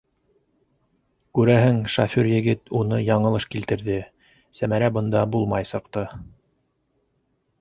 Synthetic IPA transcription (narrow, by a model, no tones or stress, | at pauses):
kʉɾæɦɘŋʃafʲyɾjɘ̆ɡɘt̪unɤjɑɴɤ̆lˠɤʃkilt̪ɘ̆ɾðɘ | sæmæɾæbɤ̆nd̪ɑbulˠmɑjsɤ̆qt̪ɤ